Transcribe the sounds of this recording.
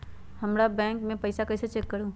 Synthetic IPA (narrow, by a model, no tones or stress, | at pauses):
hɐmɾabɛ̃ːŋkmẽpɐɪsakɐɪset͡ʃɛkːɐɾũː